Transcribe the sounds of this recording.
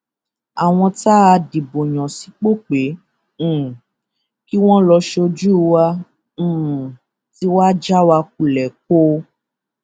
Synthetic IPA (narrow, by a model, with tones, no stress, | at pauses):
a˨w̃ɔ̃˧ta˦a˧di˨bo˨j̃ɔ̃˨si˨˦k͡po˦k͡pẽ˨˦˨ | ki˦w̃ɔ̃˦lɔ˧ʃo˧d͡ʒu˦˧wã˧˨ | ti˦wa˦d͡ʒa˦wa˧k̚u˨lɛ˨k̚o˦